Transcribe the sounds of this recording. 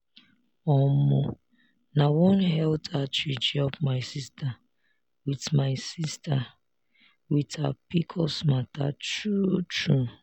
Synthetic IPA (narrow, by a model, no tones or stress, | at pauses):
ɔmʊ | nawɔnɦɛltʰat͡ʃid͡ʒɔpmaɪsista | witmaɪsista | witapikʰɔsmata̰t͡ʃut͡ʃu